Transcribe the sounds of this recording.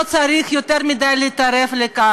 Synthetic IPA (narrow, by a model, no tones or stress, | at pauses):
t͡saɾiːxjot̪ɐɾmid̪aːlit̪ɐɾeflekaː